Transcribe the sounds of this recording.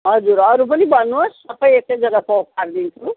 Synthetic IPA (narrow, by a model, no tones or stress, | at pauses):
ɦʌd͡zuɾʌɾupʌnibʌnːuosːʌpʌjetʌjd͡zʌɡapokaɾd̪int͡sʰu